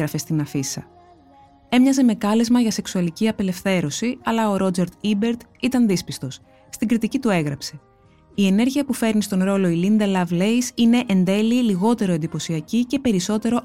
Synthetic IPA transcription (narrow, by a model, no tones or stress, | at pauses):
ɾɐfe̞st̪inɐfisɐ | e̞mɲɐze̞me̞kɐlezmɐʝɐse̞ksuɐliciɐpe̞le̞fθe̞ɾo̞siɐlɐo̞ɾo̞d͡ze̞ɾt̪ibe̞ɾt̪it̪ɐnðispist̪o̞s | st̪iŋɡɾit̪icit̪ue̞ɣɾɐpse̞ | ie̞ne̞ɾʝiɐpufe̞ɾnist̪o̞nɾo̞lo̞ilind̪ɐlɐvle̞isine̞ʔend̪e̞liːliɣo̞t̪e̞ɾo̞e̞nd̪ipo̞siɐcice̞pe̞ɾiso̞t̪e̞ɾo̞